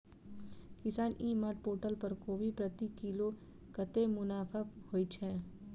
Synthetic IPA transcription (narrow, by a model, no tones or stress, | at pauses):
kɪsaːnʔiːmaːʈ̚poːʈəlpɐɾkoːʋipɾɐt̪ikiːlo | kɐt̪emʊnaːpʰahoːit͡ʃʰɛ̃ː